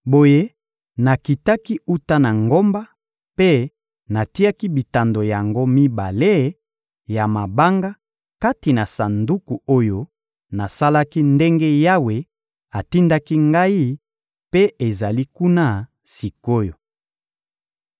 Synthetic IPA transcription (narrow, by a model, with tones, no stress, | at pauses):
bo˨je˦ | na˨ki˨ta˦ki˦u˦ta˦na˨ŋɡo˦mba˦ | pe˦ | na˨ti˦a˦ki˦bi˨ta˨ndo˨ja˨ŋɡo˦mi˦ba˨le˦ | ja˨ma˨ba˦ŋɡa˦ | ka˦ti˨na˨sa˨ndu˦ku˨o˦jo˦ | na˨sa˦la˦ki˦nde˦ŋɡe˦ja˦we˨ | a˨ti˦nda˦ki˦ŋɡa˦i˦ | pe˦e˨za˨li˦ku˦na˦ | si˨ko˦jo˨